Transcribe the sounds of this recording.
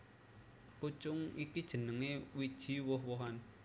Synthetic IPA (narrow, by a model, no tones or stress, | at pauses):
put͡ʃʊŋikid̥ʒ̥ə̤nəŋewid̥ʒ̥i̤wʊɦwɔɦan